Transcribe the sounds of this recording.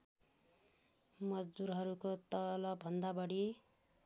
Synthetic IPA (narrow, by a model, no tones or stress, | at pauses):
mʌd͡zd̪uɾɦʌɾukot̪ʌlʌbʱʌnd̪abʌɽi